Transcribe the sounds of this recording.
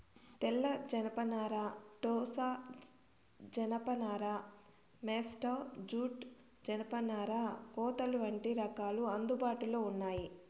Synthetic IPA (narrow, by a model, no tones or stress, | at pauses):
t̪ɛlːɐd͡ʒɐnɐpɐnaːɾaʈɔːsaː | d͡ʒɐnɐpɐnaːɾa | meːsʈɐd͡ʒuːʈ | d͡ʒɐnɐpɐnaːɾakɔːt̪ɐluʋɐɳʈiɾɐkaːluɐnd̪ubaːʈuloːunːaːji